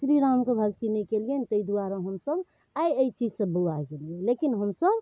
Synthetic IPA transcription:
sɾiɾamkebʱəkt̪inekelient̪əid̪uaɾaɦəmsəb | aəit͡ʃid͡ʒsə̃bəaɡeliẽlekinɦəmsəb

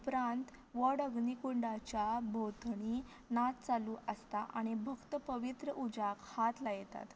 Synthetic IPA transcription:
upɾãnt̪ | ʋəɽəɡnikuɳɖat͡ɕjabʱot̪ɳi | nat̪̚t͡saluːʔəst̪aʔaɽ̃ibʱəkt̪əpəʋit̪ɾəʔud͡ʑakhat̪lajet̪a̰t̪

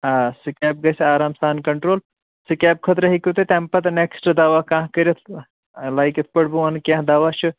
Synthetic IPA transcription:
asikɛːp̚ɡɐjsaːɾaːmsaːnkɐɳʈɾoːl | sɨkɛːp̚kʰət̪ɾəɦikut̪et̪ẽmpɐt̪neksʈd̪aːʋakãːɦkəɾjɐt̪ʰ | laːjkit̪ʰpɐɽbuankjãːɦd̪aːʋat͡ʃʰɨ

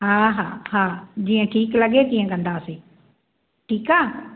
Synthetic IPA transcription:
ɦaːɦaːɦaːd͡ʑiːə̃ʈʰiːklɐɠet̪ĩːə̃kɐ̃nd̪aseː | ʈʰiːkaː

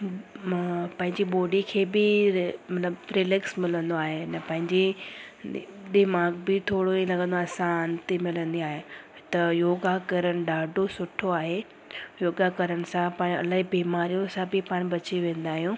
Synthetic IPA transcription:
pɐ̃ɦɪ̃ɲd͡ʑiɓoːɖikʰeːbɪmɐt̪ləbfɾelɪksmɪlə̃nd̪oaːɦenɐ̃pɐ̃ɦɪ̃ɲd͡ʑi | ɗ̪ɪmaːɡbɪt̪ʰoːɽoĩlɐɡə̃nd̪oaːsãnt̪emɪlə̃nd̪iaːɦe | t̪ɐjoːɡakɐɾəɽ̃ɪ̆ɖaːɖosʊʈʰoaːɦe | joːɡakɐɾəɽ̃ɪ̆sãpaːɽ̃ɐ̰laːɦibiːmaːɾijõsãbɪpaːɽ̃bɐt͡ɕiʋẽːn̆d̪aːɦijũː

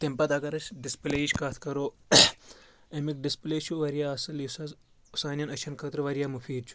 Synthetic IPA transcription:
t̪impɐt̪ɐkɐɾɐt͡ʃɖispleːiʃkat̪ʰkɐɾoː | emik̚ɖispleːt͡ʃʰuʋɐɾijaːɐsɐlisɐ | usaːnʲjɐnɐt͡ʃʰɐnkʰɐt̪ɾʋɐɾijaːmufʰiːɖ̚t͡ʃʰu̥

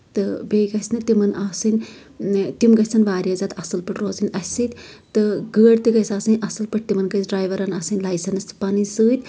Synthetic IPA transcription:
t̪ɨbejɡɐsnɨt̪imɐnaːsɨnʲ | t̪imɡɐsɐnʋaːɾiɐzaːt̪ɐsɨlpɐʈɾoːzɨnʲɐsit̪ʲt̪ɨɡəːɽt̪ɨɡɐsaːsɨnʲʔɐsɨlpɐʈ̚t̪imɐnɡɐsɖɾaːjʋɐɾɐnaːsɨnʲlaːjsɐnɨst̪ɨ̥panɨnsɨːt̪ʲ

